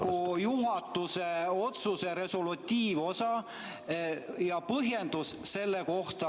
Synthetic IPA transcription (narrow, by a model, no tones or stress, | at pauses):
kujuɦɑt̪ˑːuse̞o̞t̪suseɾe̞solut̪ʲːiːvo̞sɑ | jɑpɤɦje̞nd̪̥usːe̞lːeko̞ht̪ɑ